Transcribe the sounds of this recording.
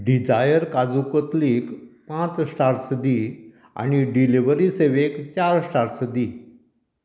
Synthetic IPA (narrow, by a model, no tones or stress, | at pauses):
ɖid͡zajəɾkad͡zukət̪liːkpãt͡ssʈaɾsd̪i | a̰niɖiliʋəɾiseʋekt͡ɕaɾsʈaɾsd̪iː